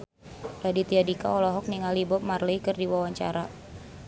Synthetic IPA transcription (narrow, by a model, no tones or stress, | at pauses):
ladit̪iadika̰ɔlɔɦɔk̚niŋalibɔp̚marləikɨrdiwawaɲt͡ʃa̰ɾa